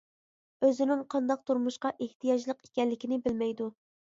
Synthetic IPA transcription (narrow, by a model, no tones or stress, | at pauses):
øzɪnɪŋqʰɑnd̪ɑq̚t̪ʰuɾmuʃqɑʔeht̪ʰijɑd͡ʒlˠəqe̥kʲɛlːɪkʲinɪbɪlmɛjd̪u